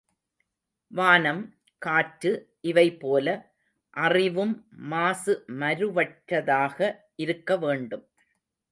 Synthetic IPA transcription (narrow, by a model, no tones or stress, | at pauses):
ʋaːnɐm | kaːʈːɯʔɪʋɐɪpːoːlɐ | ʔɐrɪʋɯmːaːsɯmɐɾɯʋɐʈɾɐðaːɣɐ | ʔɪɾɯkːɐʋeːɳɖɯm